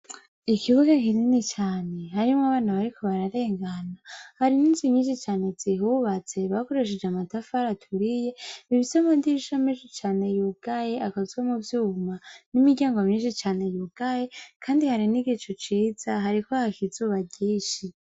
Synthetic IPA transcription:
ikʰiβuɡakininit͡ʃaːne̞ɦaɾimŋaβaːnaβaɾikʰo̞βaɾaɾe̞ːŋɡanahaɾiniːnzimɲiːnʃit͡ʃaːne̞d͡ziɦuβat͡se̞βako̞ɾeʃ̬ed͡ʒeamatafaɾatʰuɾije̞iβisomandiiʃaminʃit͡ʃaːne̞juɡ̥ajeʔakazwamuvjuːumanimiɟaːŋɡomɲiːnʃit͡ʃaːne̞juɡ̥ajekʰaːndihaɾiniɡit͡ʃot͡ʃiːz̥aɦaɾikohakizuːβaɟiːʃi

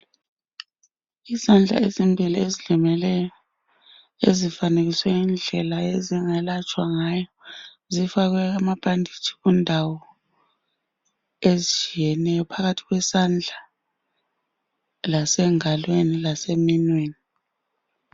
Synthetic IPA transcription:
isand͡ɮʱa̰ezimbʱiliezilimɛlɛjɔ | ezifaneɣiswɛind͡ɮʱɛlaeziŋɛlat͡ʃʼwaŋajɔ | zifaɣwɛamab̥ʼʱandʱi̥t͡ʃʰʼi̥ɣundʱawɔ | ezit͡ʃʰʼijɛnɛjɔpʰaɣatʰiɣwɛsand͡ɮʱa | lasɛŋalwenilaseminweːni

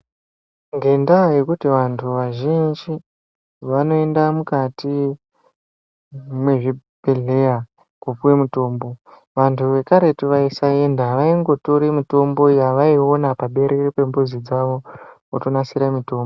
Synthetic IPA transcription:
ŋɡe̞ndaje̞kutiʋantʰuʋaʒind͡ʒi | ʋano̞e̞ndamukati | mwe̞ʐiɓe̞ɮe̞ja | kup͡fuwemuto̞ːmbo̞ | ʋantʰuʋe̞kaɾe̞tuʋaisae̞ndaʋaiŋɡo̞toɾemito̞mbo̞jaʋaio̞napaɓe̞ɾʔeripe̞mbuzid͡zaʋo̞wotonasiɾamito̞ːmbo

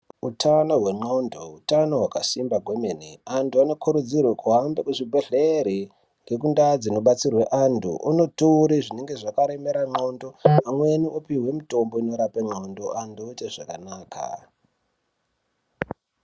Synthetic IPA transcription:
utʰano̞ɦwe̞ŋ͡ǃondo̞utano̞ɦwakasimbaɡʱwemeniantʰuano̞kuɾud͡zirwekuɦambekuʐibʱeɮeɾi | ŋɡe̞k̬undad͡zino̞ɓat͡sirweʔantʰṵʔuno̞tuːɾiʐine̞ŋɡe̞ʐakaɾemeɾaŋ͡ǃo̞ndo̞amwe̞niopiɦwe̞mito̞mbo̞ino̞ɾapeŋ͡ǃo̞ndo̞ʔandoteʐakanaːkʰa̰

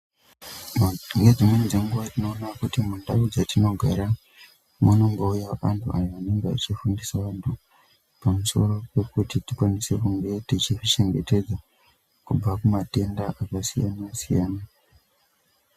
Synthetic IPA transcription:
ŋɡed͡zimwenid͡ze̞ŋɡuʋatino̞ːnakutimundaud͡zatino̞ɡʱaɾa | muno̞ŋɡoujaʋa̰ntʰua̰joʋane̞ŋɡea̰t͡ʃifundisaʋantʰu | pamuso̞̰ɾo̞pe̞kutitikwanise̞kuŋɡe̞tit͡ʃiʐit͡ʃe̞ŋɡe̞̰te̞d͡za | kub͡vakumate̞ndaʔakasijanasijaːna

